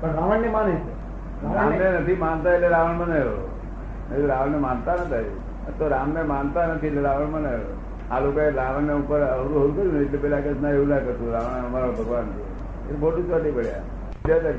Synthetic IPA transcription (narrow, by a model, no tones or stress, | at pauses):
pəɳɾaʋəɳnemanet͡ʃʰe | aɾamnenət̪ʰimant̪aetleɾaʋəɳməneɦo | nət̪ʰiɾaʋəɳnemant̪anət̪ʰaj | ət̪oɾamnemant̪anət̪ʰietleɾaʋəɳməneɦo̰ | a̰lokoeɾaʋəɳneupəɾəʋɾuɦot̪kəɾjũneeʈlepɛlakesnaeunakəɾt̪ũɾaʋəɳumaɾalobʱəɡʋant̪i | ḛlekʰoʈut͡ʃʋat̪ipəɽja̰ | d̪at̪a